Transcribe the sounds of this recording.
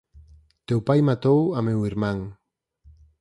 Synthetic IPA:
t̪ewpajmat̪owamewiɾmãŋ

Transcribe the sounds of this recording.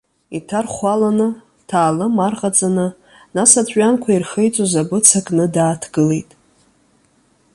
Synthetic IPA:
itʰarχʷalanɨ | tʰaːlɨmarqʼad͡zʼanɨ | nasat͡sʷʼankʷʰairχejt͡sʼozabɨt͡sʰakʼnɨdaːtʰɡɨle̞jtʼ

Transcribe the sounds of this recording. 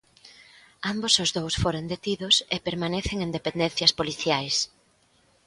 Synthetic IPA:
ambosʊzðowsfoɾond̪et̪iðʊsepeɾmaneθeŋend̪epend̪enθjɐspoliθjajs

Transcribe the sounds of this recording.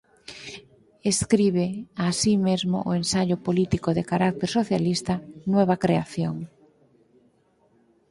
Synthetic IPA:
eskɾiβ̞easimezmo̰ʔoẽnsaʎʊpolit̪ikoðekaɾak̚t̪eɾsoθjalist̪anweβ̞akɾeaθjoŋ

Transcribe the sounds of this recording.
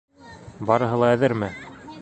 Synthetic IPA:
bɑɾɤ̆ɦɤ̆lˠɑæðɘɾmɘ

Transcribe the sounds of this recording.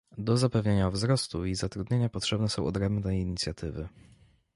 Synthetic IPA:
d̪ɔzapɛvɲeɲavzɾɔst̪uizat̪ɾud̪ɲeɲapɔtʂɛbnɛsɔ̃w̃ʔɔd̪ɾɛmbnɛjiɲit̪sʲjat̪ʰɘvɘ̰

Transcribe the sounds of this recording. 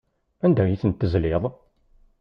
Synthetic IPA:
ænd̪æjiθənt̪ːəzlɪðˤ

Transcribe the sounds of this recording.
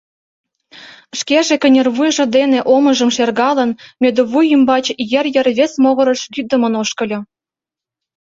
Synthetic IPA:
ʃkeʒĕkʲə̆nʲĕrβujʒə̆d̪eneʔomɤ̆ʒɤ̆mʃerɣɑlɤ̆nmʲed̪oβujəmbɑt͡ɕjĕrjə̆rβʲesmoɣɤ̆ɾɤ̆ʃɡʲyd̪ə̆mɤ̆noʃkɤ̆lʲɤ̆

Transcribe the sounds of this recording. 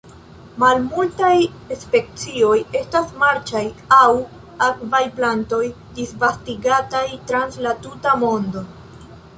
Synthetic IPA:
malmultaj | espe̞k̚t͡sio̞je̞stasmaɾt͡ʃajaw | akvajplanto̞j | disvastiɡatajtɾanslatutamo̞ndo̞

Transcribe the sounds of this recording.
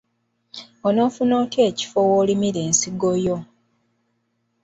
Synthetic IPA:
ono̞ːfunoːtʰeːci̥fowolimiɾeːnsiɡojo

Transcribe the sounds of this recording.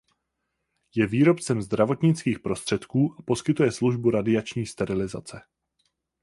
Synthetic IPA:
jɛviːɾo̞pt͡sɛmzd̪ɾavo̞t̪ɲɪt͡skiːxpɾo̞st̪r̝̥ɛt̪kuːʔapo̞skɪt̪ujɛsluʒbuɾadɪat͡ʃɲiːst̪ɛɾɪlɪza̰t͡sɛ

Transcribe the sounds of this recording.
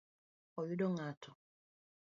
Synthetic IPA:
ɔjudɔŋatʰɔ

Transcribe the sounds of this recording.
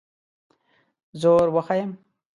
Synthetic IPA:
zoːɾwəxajəm

